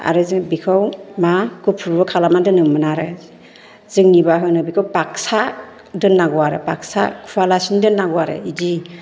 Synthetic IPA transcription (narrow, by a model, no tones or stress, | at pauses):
a̰ɾɯzɯbikʰawmakupʰuɾbɯkʰalamadɯnɯmmɯnaɾɯ | zɯŋnibaɦɯnɯbikʰawpak̚sa | dɯnːaɡɔwaɾḛbaksa̰kʰuwalasindɯnːaɡɔwaɾḛidi